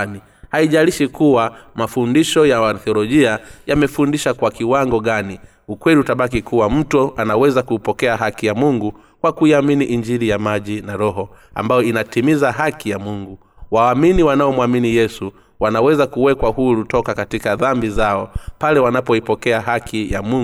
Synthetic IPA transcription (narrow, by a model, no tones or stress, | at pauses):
ni | haiʄaliʃikuwamafundiʃɔjaanθiɔlɔʄiajamɛfundiʃakwakiwaŋɡɔɠani | ukwɛliutaɓak̬ikʰuwam̩tɔanawɛzakuipɔkɛaɦakijamuŋɡu | kwakuiaminiʔiɲd͡ʒiɾijamaʄinaɾɔɦɔa̰mbajɔinatimizaɦakijamuŋɡu | waːminiwanaɔmwaminijɛsu | wanawɛzakuwɛkwahuɾutɔkakatikaðambizaɔpalɛwanapɔipɔkɛaɦakʰijamuŋ